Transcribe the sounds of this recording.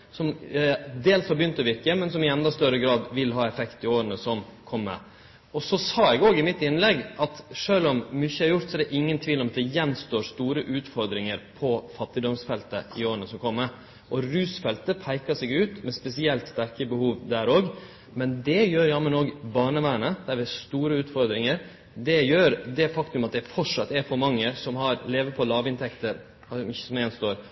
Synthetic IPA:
sɔmd̪eːlshɑɾbəjʏnt̪ɔʋɪɾkəmɛnsɔmɪɛnd̪ɑst̪œɾəɡɾɑːd̪ʋɪlɦɑːɛfɛkt̪ɪoːɾənəsɔmkʰɔmːə̰ | ɔsɔsɑːɛɡoːɡɪmɪt̪ːɪnlɛɡːʔɑt̪ʂøːlɔmmyçːəæɾjʊɾt̪sɔɛɾd̪ɛʔɪŋːənt̪ʰʋiːlɔmɑt̪d̪ɛjɛnst̪oːɾst̪uːɾəʔʉːt̪fɔɾd̪ɾɪŋəɾpʰɔfɑt̪ːɪd̪ɔmsfɛlt̪ə̰ɪoːɾənəsɔmkʰɔmːə | ʔɔɾʉːsfɛlt̪əpʰæɪkɑsɛɡʉːt̪mɛspɛsɪɛlt̪st̪æɾkəbəhuːʋd̪æːɾoːɡ | mɛnd̪ɛjøːɾjɑːmːənoːɡbɑːɳəʋæːɳəd̪̥æɾʋɪhɑst̪uːɾəʉːt̪fɔɾd̪ɾɪŋəɾ | d̪ɛjøːɾd̪ɛfɑkt̪ʉmɑt̪̚d̪ɛfɔʈʂɑt̪ːɛɾfɔɾmɑŋːəsɔmhɑɾleːʋəpʰɔlɑːʋɪnt̪ʰɛkt̪əɾ | hɑmʏçːə̥sɔmjɛnst̪oːɾ

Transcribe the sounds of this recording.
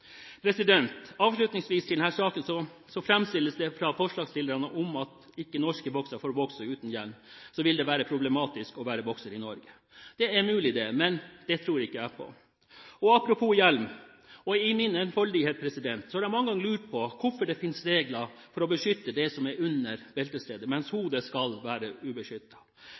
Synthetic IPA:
pʰɾɛsɪd̪ɛnt̪ɑːʋʂɭʉt̪nɪŋsʋiːst̪ɪld̪ɛnhæːʂɑːkənsɔsɔfɾɛmst̪ɪlːəsd̪ɛfɾɑfɔʂɭɑːɡslɪld̪əɾɑnəʔɔmɑt̪ | ɪkːənɔʂkəbɔksɑfoːɾbɔksəʉːt̪n̩jælmsɔʋɪld̪ɛʋæːɾəpʰɾʊblɛmɑːt̪ɪskɔʋæːɾəbɔksəɾɪnɔɾɡə | d̪̥ɛæɾmʉːlɪd̪ɛmɛnd̪̥ɛt̪ʰɾuːɾɪkːəæpʰɔ̰ | ɔɑpɾʊpʰuːjɛlm | ɔɪmɪnɛnfɔɭd̪ɪheːt̪pʰɾɛsɪd̪ɛnt̪sɔhɑɾæmɑŋːəɡɑŋːəlʉːʈ̚pʰɔkʊfɔɖɛfɪnsɾeːɡlɑfɔɾɔbəʂʏt̪ːəd̪ɛsɔmæɾʉnːəɾbɛlt̪əst̪eːd̪əmɛnshuːd̪əskɑlʋæːɾəʉbəʂʏt̪ːɑ̥

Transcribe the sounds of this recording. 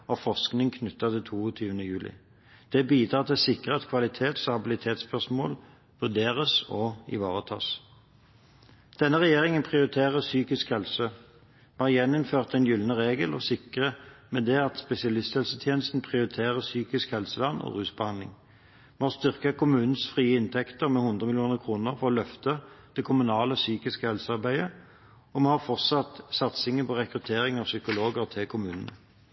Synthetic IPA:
ɔfɔʁsknɪŋkʰnʉt̪ːɑt̪ɪlt̪ʰuːɔt̪ʰyːʋənəjʉːlʔɪ̰ | d̪̥ɛbiːd̪ʁɑːʁt̪ʰɪlsɪkʁəɛt̪kʰʋɑlɪt̪ʰeːt̪sɑbɪlɪt̪ʰeːt̪spʰœʁsmoːl | ʋʉʁd̪eːʁəsɔɪ̰ʋɑ̰ːʁət̪ʰɑ̰ːs | d̪̥ɛnːəʁɛjeːʁɪŋənpʰʁɪʊʁɪt̪ʰeːʁəsyːkɪskhɛlsə | mɑjɛnːʊmføːʁt̪ɛnjʏlnəʁeːɡəlɔ̰sɪkʁəmɛd̪ɛɑt̪spɛsɪɑlɪst̪hɛlsət̪ʰjeːnəst̪n̩pʰʁɪʊʁɪt̪ʰeːʁəsyːkɪskhɛlsəlɑnːɔ̰ʁʉːsbəhɑnd̪lɪ̰ŋ | mɛhɑʁst̪ʏʁkɑkʰʊmʉːnn̩sfʁiːəɪnt̪ʰɛkt̪əʁmɛhʊnd̪ʁəmɪlɪuːnəʁkʰʁuːnəʁfɔʁɔlœft̪əd̪̥ɛkʰʊmʉnɑːləsyːkɪskəhɛlsəɑʁbæɪə | ɔmɛhɑʁfɔʁt̪sɑt̪sɑt̪sɪŋəpʰɔʁɛkʁʉt̪ʰeːʁɪŋɑʋsʏkʊloːɡəʁt̪ʰɪlkʰʊmʉːnənə̰

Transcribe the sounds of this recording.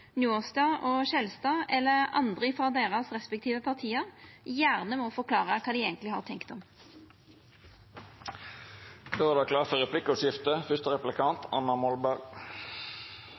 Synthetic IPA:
njuːʁst̪ɑːʔoːʃɛlst̪ɑːɛlːəʁɑ̰nd̪ʁɪfʁɑːd̪eːʁɑsʁɛspɛk̚t̪ʰiːʋəpʰɑʁt̪ʰiːəʁjæːʁnəmɔfɔʁkʰlɑːʁəkʰɑːd̪iːeːɡənlɪhɑ̰ːʁt̪ʰɛŋkt̪ɔm | køːʁəd̪ɑkʰlɑːfɔʁɛpʰlɪkɔʃɪft̪əfʏst̪əʁɛplɪkʰɑnt̪ʰɑ̰nːɑmɔlbæʁɡ

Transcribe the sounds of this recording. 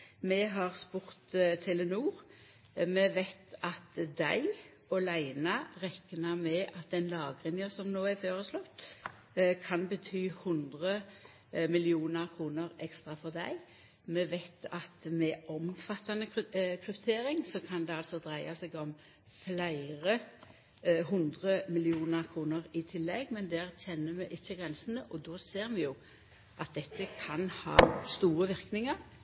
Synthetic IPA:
mɛɦɑʁspuːʁt̪t̪ʰɪlənuːʁ | mɛʋæɪt̪ɑt̪d̪æ̰ɪ | ɔlæɪnɑʁɛknɑmɛʔɑt̪̚d̪ɛnlɑːɡʁɪnjəsɔmnoːæføːʁəslɔt̪ː | kʰɑnbət̪ʰyːhʊnd̪ʁə | mɪlɪuːnəʁkʰʁuːnəʁɛkst̪ʁɑfɔʁd̪æ̰ɪ | mɛʋæɪt̪ʰɑt̪mɛʔɔmfɑt̪ːɑnəkʰʁʉpt̪ʰeːɾɪŋsɔkʰɑnd̪ɛɑlsɔd̪ʁæɪɑsɛɡɔm | flæɪʁə | ɦʊnd̪ʁəmɪlɪuːnəʁkʰʁuːnəʁɪt̪ʰɪlːɛɡmɛnd̪æːʁçɛnːəmɛʔɪçːəɡʁɛnsənəʔɔd̪ɔːseːʁmɛjʊ | ʔɑt̪̚d̪ɛt̪ːəkʰɑnhɑ̰ːst̪uːʁəʋɪʁknɪŋəʁ

